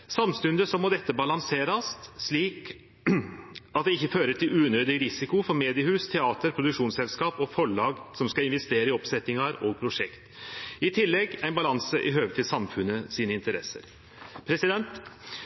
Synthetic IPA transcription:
sɑmst̪ʉnd̪əsɔmɔd̪ɛt̪ːəbɑlɑŋseːɾɑst̪ʂɭiːk | ɑt̪̚d̪ɛɪçːəføːɾəʈʰɪlʉːnøːd̪ɪɾɪsɪkʊfɔɾmeːd̪ɪəhʉːst̪ʰɛɑːt̪əɾpʰɾʊd̪ʉkʂuːnsɛlskɑːpɔfɔɭɑːɡsɔmskɑɪnʋɛst̪eːɾəɪɔpsɛt̪ːɪŋɑɾɔːɡ̚pʰɾʊʂɛkt̪ɪt̪ʰɪlːɛɡæɪnbɑlɑŋsəʔɪɦøːʋət̪ʰɪlsɑmfʉnəsiːnəɪnt̪əɾɛsə̰ɾ | pʰɾɛsɪd̪ɛnt̪

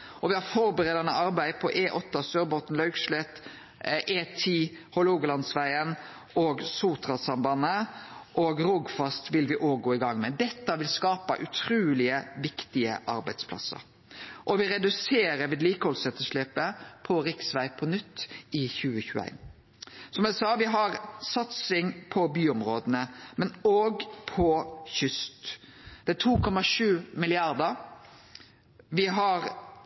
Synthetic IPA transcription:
ʔɔʋɪhɑɾfɔɾbəɾeːd̪ɑnəʔɑɾbæɪpʰɔʔeːʔɔt̪ːɑsøːɾbot̪nlɑʉkʃlɛt̪ | ʔeːt̪ʰiːhɔluːɡlɑnsʋæɪən | oːɡsuːt̪ʁɑsɑmbɑnəʔoːɡɾʊɡfɑst̪ʋɪlʋɪʔoːɡoːɪɡɑŋːmɛd̪ɛt̪ːɑʋɪlskɑːpɑ̰ʔʉt̪ʰɾʉːlɪəʋɪkt̪ɪə̰ʔɑ̰ɾbæɪd̪spʰlɑ̰sːə̰ɾ | ʔɔʋɪɾɛd̪ʉseːɾəɾʋiːd̪liːkəhɔlsɛt̪ːəʂleːpəpʰɔɾɪksʋæɪpʰɔnʏt̪ːɪçʉːəçʉːæ̰ɪn | sɔmæɪsɑːʋɪɦɑɾsɑt̪sɪŋpʰɔbyːʊmɾoːd̪ənəmɛnoːɡpʰɔçʏst̪d̪̥ɛæt̪ʰuːkʰɔmɑʂʉːmɪlɪɑɾd̪əɾ | ʋɪɦɑɾ

